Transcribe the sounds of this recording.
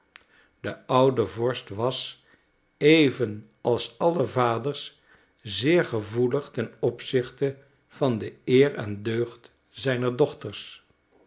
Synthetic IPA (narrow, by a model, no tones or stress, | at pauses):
dəʔʌwdəvɔɹstʋɑs | ejvən | ɑlˠsɑləvaːdəɹs | zɪːɹχəvuləχtɛnɔpsɪχtə | v̥ɑndəɪːrɛ̰ndøɥχt | zɛjnəɹdɔχtəɹs